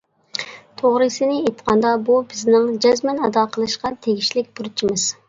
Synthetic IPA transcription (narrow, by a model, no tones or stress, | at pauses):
t̪ʰoʁɾɨsɨnɪet̪qʰɑnd̪ɑbubɪznɪŋd͡ʒɛzmɛnɑd̪ɑqʰəlˠɨʃqɑt̪ʰeɡʲiʃlɪk̚ʲbuɾt͡ʃʰimɨz̥